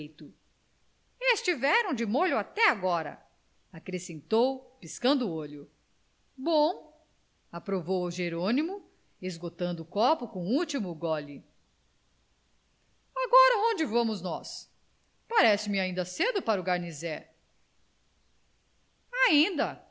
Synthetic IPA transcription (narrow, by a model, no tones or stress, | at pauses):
jt̪ʊ | est͡ʃivɛɾɐ̃w̃d͡ʒɪmoʎʊat̪ɛaɡɔɾɐ̰ | akɾesẽnt̪owpiskɐ̃nd̪ʊuoʎʊ | bõw̃ | apɾovowuʒeɾõnimʊ | ezɡot̪ɐ̃nd̪ʊːkɔpʊkõw̃ut͡ʃimʊɡɔlɪ | aɡɔɾɐõd͡ʒɪvɐ̃mʊznɔs | paɾɛsɪmɪaĩnd̪ɐsed̪ʊpaɾʊɡaɾnizɛ | aĩnd̪ɐ